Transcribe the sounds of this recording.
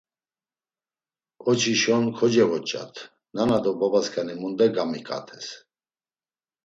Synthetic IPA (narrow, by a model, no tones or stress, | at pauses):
ɔt͡ʃʰiʃɔnkʰɔd͡ʒɛɣɔt͡ʃʼa̰t̪ʰ | nanad̪ɔbabaskʰʼanimund̪ɛɡamikʼa̰t̪ʰɛs